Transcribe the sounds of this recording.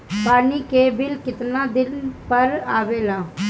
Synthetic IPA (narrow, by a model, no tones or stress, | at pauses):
paːniːkeːbɪlkɪt̪naːd̪ɪnpəɾaːʋeːlaː